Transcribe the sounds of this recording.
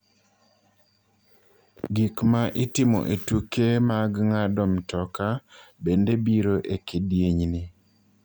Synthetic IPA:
ɡikmaʔɪtɪmɔ̰ʔetukemaɡŋadɔmtɔkabendebiɾoʔekedjeɲni

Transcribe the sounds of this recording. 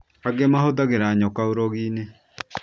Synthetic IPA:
aɡemahoðaɣeɾaɲɔkaoɾɔɣiːne

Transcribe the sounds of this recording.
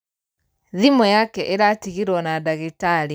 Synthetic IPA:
ðimɔjakɛʔeɾatiɣiɾwɔnadaɣitaɾi

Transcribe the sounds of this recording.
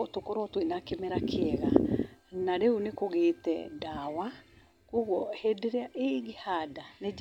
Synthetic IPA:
otokoɾɔtwinakemeɾakʰeɛɣanaɾeunekoɣeːtɛ̰dawa | koɣwɔhedeɾeaʔeɣehadane

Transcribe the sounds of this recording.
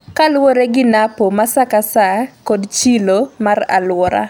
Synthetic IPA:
kalwɔɾeɡɪnapomasakasakɔdt͡ʃilomara̰lwɔɾa̰

